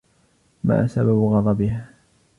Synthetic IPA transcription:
ma̰ːsababɣɑd̪ˤɑbɪha

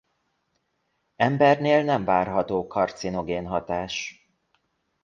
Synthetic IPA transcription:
ɛmbɛrneːlnɛɱvaːrɦɒt̪oːkʰɒrt̪sino̞ɡeːnɦɒt̪aːʃ

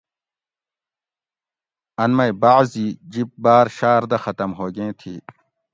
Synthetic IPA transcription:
ɐnmɐjbaʕziːd͡ʑip̚baːɾɕaːɾd̪ɐxɐt̪ɐmɦoːɡẽːt̪ʰiː

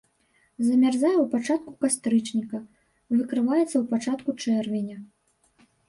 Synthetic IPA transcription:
zɐmʲarzajɛwpat͡ʂat̪̚kukast̪ɾɨt͡ʂnʲikɐ | vɨkɾɨvajɛt̪sːɐwpat͡ʂat̪kut͡ʂɛrvʲenʲɐ

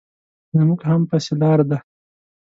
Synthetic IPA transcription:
namuɡhampaselɑɾad̪a

